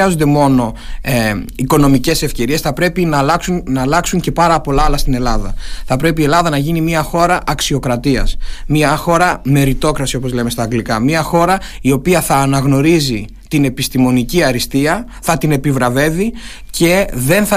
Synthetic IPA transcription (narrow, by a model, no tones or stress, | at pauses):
ɐzond̪e̞mo̞no̞ | iko̞no̞mice̞se̞fce̞ɾie̞sθɐpɾe̞pinɐlɐksunnɐːlɐksuɲce̞pɐɾɐpo̞lɐɐlɐst̪ine̞lɐðɐ̰θɐpɾe̞p̬ielɐðɐnɐʝinimiɐxo̞ɾɐʔɐksio̞kɾɐt̪iɐ̰smiɐxo̞ɾɐme̞ɾit̪o̞kɾɐsio̞po̞zle̞me̞st̪ɐːɡlikɐmiɐxo̞ɾɐio̞piɐθɐːnɐɣno̞ɾizi | t̪ine̞pist̪imo̞niciɐɾist̪iɐ | θɐt̪ine̞pivɾɐve̞vice̞ðe̞nθɐ